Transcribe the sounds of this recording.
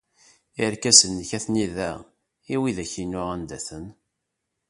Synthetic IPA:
iɾkæsənːçæθniðæ | iwiðæçinːʊʁænd̪æθən

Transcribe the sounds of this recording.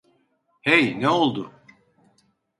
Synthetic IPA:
hejnɛo̞lˠd̪ʊ

